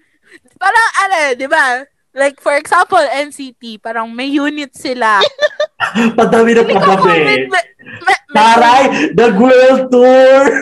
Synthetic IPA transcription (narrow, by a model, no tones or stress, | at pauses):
paːɾɐŋʔɐnod̪ɪba | lajk̚fɔɹɛksãmpolɛnsit̪ipaːɾɐŋmɐjjuːnɪt̪̚sɪla | pɐd̪awɪnɐpɐɐbɛ | paɾajd̪ɐɡwɛlt̪uɹ